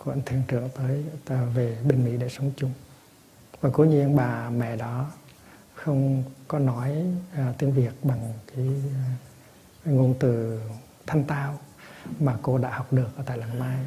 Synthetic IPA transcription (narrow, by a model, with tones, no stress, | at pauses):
kwə̰˧˩nt̪ʰi˧˩əŋt͡ɕɨ̰˧˩əŋt̪əː˨˦jve˨˩ɓë˧˩ŋ̟mḭ˧˥ɗḛ˧˩sə˨˦wŋ͡mt͡ɕʊ˨˦ŋ͡m | vaː˨˩ku˨˦ɲi˧ənɓaː˨˩mɛ̰˧˨ɗɔ˨˦ | xə˧wŋ͡mkɔ˨˦nɔ˨˦jt̪i˧ənvi˨˩ək̚ɓa˨˩ŋkaː˨˦j | ŋo˧˩nt̪ɨ˨˩ | t̪ʰa˧mt̪aː˧wmaː˨˩ko˧ɗa̰ː˧˥ha˨˩wk͡p̚ɗɨ˨˩ək̚ʔəː˧˩t̪aː˧˩la˨˩maː˧j